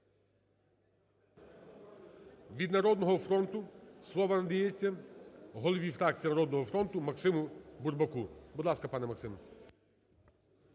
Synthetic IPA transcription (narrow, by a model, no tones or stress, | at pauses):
ʋʲid̪nɐɾɔd̪nɔɦɔfɾɔnt̪ʊslˠɔʋɐnɐd̪ɐjɛt͡sʲːɐɦɔlˠɔʋʲifɾɑkt͡sʲijɐnɐɾɔd̪nɔɦɔfɾɔnt̪ʊmɐksɪmʊburbɐkubʊd̪lˠɑskɐpɑnɛmɐksɪmɐ